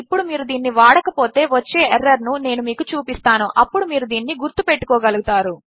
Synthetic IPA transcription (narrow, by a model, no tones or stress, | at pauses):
ipːuɽumiːɾud̪iːnːiʋaːɽɐkɐpo̞ːt̪e̞ːʋɐt͡ʃːe̞ːeɾːɐɾnune̞ːnumiːkut͡ʃuːpist̪aːnuʔɐpːuɽumiːɾud̪iːnːiɡuɾt̪upe̞ʈːu̥kɔːɡɐluɡut̪aːɾu